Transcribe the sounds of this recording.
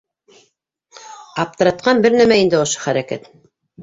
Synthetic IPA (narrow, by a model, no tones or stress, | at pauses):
ɑp̚t̪ɤ̆ɾɑt̪̚qɑnbɘɾnæmæind̪ɘŏʃɤ̥χæɾækæ̰t̪